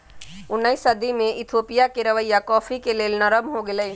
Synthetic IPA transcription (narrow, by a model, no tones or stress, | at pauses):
ʊnːəisɐd̪imẽʔɪt̪ʰoːpijakeɾɐʋəjːakɔːfʰikeleːlnəɾəmɦoɡelə